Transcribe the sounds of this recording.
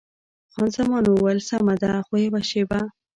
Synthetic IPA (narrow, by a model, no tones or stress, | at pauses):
xɑnzamɑnowalsamad̪axoebaʃeba